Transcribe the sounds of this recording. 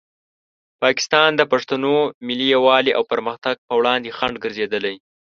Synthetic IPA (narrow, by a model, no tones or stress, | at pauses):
pɑkɪ̥st̪ɑnd̪əpaʂt̪anomɪlijawɑliʔa̰wpəɾməxt̪aɡ̚pəwɽɑnd̪exaɳɖɡəɾzed̪əlaj